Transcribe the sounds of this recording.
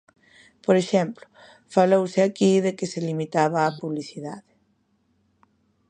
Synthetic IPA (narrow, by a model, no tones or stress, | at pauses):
poɾeʃɛ̃mplʊ̥ | falowsɪakiðekɪselimit̪aβ̞aːpuβliθiðaðɪ